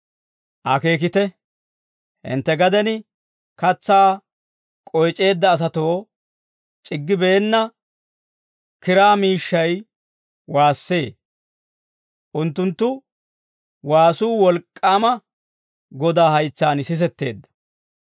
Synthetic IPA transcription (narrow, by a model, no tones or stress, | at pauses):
ʔɐke̞ːk̬ɪt̪ɛ | hɪ̰nt̪ːɛɡɐd̪ɛn | kɐt͡sːaː | kʼɔjt͡ʃʼe̞ːd̪ːɐːs̬ɐt̪o̞ː | t͡ʃʼɪɡːɪbeːnːɐ | kɪɾaːmiːʃːɐj | waːsːe̞ː | ʔʊnt̪ːʊnt̪ːʊ | waːsuːwɔlkʼːaːmɐ | ɡɔd̪aːhɐjt͡sːaːnsɪs̬ɛt̪ːe̞̰ːd̪ːɐ̥